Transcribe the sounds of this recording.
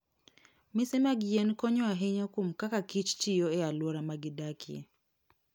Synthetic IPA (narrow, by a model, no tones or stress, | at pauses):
misɛmaɡiɛnkɔɲɔaɦɛɲakum̩kakakit͡ʃt͡ʃijɔɛalwɔɾamaɡidakiɛ̰